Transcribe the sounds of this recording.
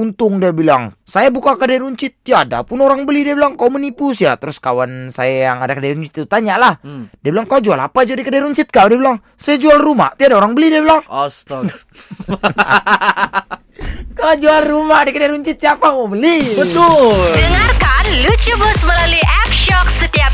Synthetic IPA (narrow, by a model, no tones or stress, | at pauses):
unt̪ʊŋdiabila̰ŋsajabukakədarɾuɲt͡ʃɪt̪̚jaada̰pʊnoɾaŋbəlidiabilaŋkaumənipusja̰t̪əɾʊskawansa̰jajaŋadakədaɾuɲt͡ʃɪt̪t̪ut̪aɲaʔlahdiabilaŋkaad͡ʒuala̰pad͡ʒadikədaɾuɲt͡ʃɪt̪̚kadiabilaŋ | sajad͡ʒualruma̰t̪iadaoɾaŋbəlidiabilaŋɔst̪ | kawad͡ʒualrumadakədaɾuɲt͡ʃɪt̪̚siapamobəlibət̪ʊdəŋarkanlut͡ʃubəsməlaluiʔɛp̚ʃɔksət̪iap̚